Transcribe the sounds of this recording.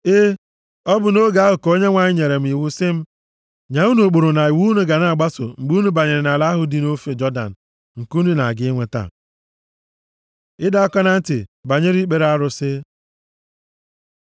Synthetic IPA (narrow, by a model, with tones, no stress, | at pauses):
ɪ˦ | ɔ˦bʊ˨no˦ɡa˨a˦ɦʊ˨ko˦ɲe˦ŋʷa˨ɲɪ˦ɲe˨ɾe˨m̩˦i˨wu˦sɪ˦m̩˦ | ɲa˨u˦nu˨k͡po˨ɾʊ˨na˨i˨wu˦nu˦ɡa˨na˦˨a˨ɡ͡ba˦sʊ̰˨ŋ͡m̩˨ɡ͡bu˦nu˦ba˨ɲe˨ɾɪ˨na˨la˦ɦʊ˨di˦no˦fe˨d͡ʒɔ˦da̰˨n̩˨ | ŋ̩˨ku˦nu˦na˨ɡɪ˦ŋʷe˨ta̰˦˨ | ɪ˦da˦ɔ˦kɔ˦na˦n̩˦tɪ˨ba˨ɲe˦ɾi˦k͡pe˨ɾa˦ɾʊ˨sɪ˦